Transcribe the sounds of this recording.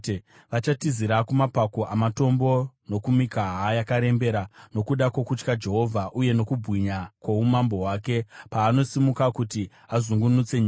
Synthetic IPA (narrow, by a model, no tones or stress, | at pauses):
ʋat͡ʃatiziɾakumapako̞ʔamato̞mbo̞no̞kumikaɦajakaɾe̞mbe̞ɾano̞kuɗako̞kut͡ʃkad͡ʒe̞ɦo̞vʱaʔuje̞no̞kubʱwiɲakwaumambo̞ɦwaːke̞paːno̞simukakuti | azuŋɡunut͡se̞ɲiː